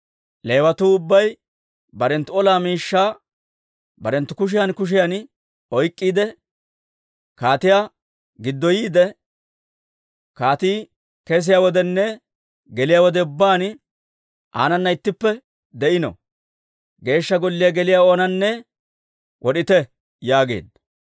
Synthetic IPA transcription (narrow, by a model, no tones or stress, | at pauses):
le̞ːwɐt̪uːʊbːɐj | bɐɾɛnt̪ːʊɔlaːmiːʃːaː | bɐɾɛnt̪ːʊkʊʃ̬ɪjɐnkʊʃ̬ɪjɐn | ɔjkʼːiːd̪ɛ | kaːt̪ɪja | ɡɪd̪ːɔjiːd̪ɛ | kaːt̪iː | kɛs̬ɪjawɔd̪ɛnːɛ | ɡɛlɪjawɔd̪ɛʊbːaːn | ʔa̰ːnɐnːɐɪt̪ːɪpːɛ | d̪ɛʔɪnɔ̰ | ɡe̞ːʃːɐɡɔlːɪjaɡɛlɪjao̞ːnɐnːɛ | wʔɔɗɪt̪ɛ | jaːɡe̞̰ːd̪ɐ